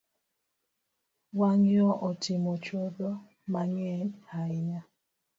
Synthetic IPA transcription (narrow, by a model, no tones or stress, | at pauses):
waŋjɔʔɔtʰimot͡ʃodɔ | maɲɛnhaiɲa